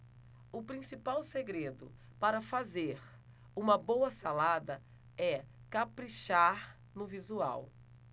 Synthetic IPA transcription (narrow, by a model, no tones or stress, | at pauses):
ʊpɾĩsipawseɡɾed̪ʊ̰ | paɾɐfazeɾ | ũmɐbowɐsalad̪ɐ | ɛkapɾiʃaɾ | nʊvizua̰w